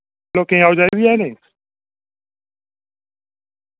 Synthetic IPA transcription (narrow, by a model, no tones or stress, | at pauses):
lokeŋawʝaβjenes